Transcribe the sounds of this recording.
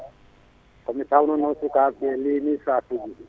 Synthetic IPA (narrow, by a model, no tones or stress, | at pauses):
kɔmɪtʰaʊnɔnɔsukapɛlɪnisatuɡi